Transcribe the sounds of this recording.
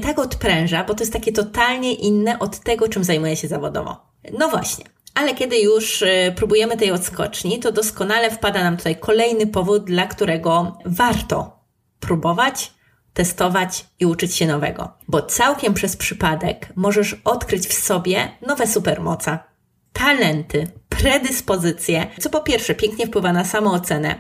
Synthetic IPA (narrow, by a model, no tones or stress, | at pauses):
t̪akɔt̪pɾɛ̃w̃ʐabɔt̪ɔjɛst̪ːakʲɛt̪ɔt̪alɲɛʔinːɛʔɔt̪ːɛɡɔt͡ʂɘmzajmujɛɕɛzavɔd̪ɔ̰vɔ̰ | nɔvwa̰ɕɲɛ | alɛkʲɛd̪ɘjuʂpɾubujɛmɘt̪ɛjɔt̪skɔ̰t͡ʂɲit̪ɔd̪ɔskɔnalɛfpad̪anamt̪u̥t̪ajkʰɔlɛjnɘpɔvud̪̚d̪lakt̪uɾɛɡɔvaɾt̪ɔ̰ | pɾubɔvat͡ɕ | t̪ɛst̪ɔvat͡ɕiut͡ʂɘt͡ɕɕɛnɔvɛ̰ɡɔ̰bɔt̪sawkʲɛmpʂɛspʂɘpad̪ɛ̰kmɔʐɛʂɔt̪kɾɘt͡ɕfsɔbʲjɛnɔvɛsupɛɾmɔ̰t̪sɛ | t̪ʰalɛnt̪ɘpɾɛd̪ɘspɔzɘt̪sʲjɛt̪sɔpɔpʲjɛɾfʂɛpʲjɛŋkɲɛfpwɘvanasamɔ̃ɔt̪sɛnɛ̰